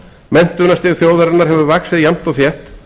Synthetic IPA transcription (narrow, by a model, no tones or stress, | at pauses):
mɛn̥t̪ʏnast̪ɪːðθjoːwðaɾɪnaɾ̥hɛvʏvaksɪðjam̥t̪aɣθjɛht̪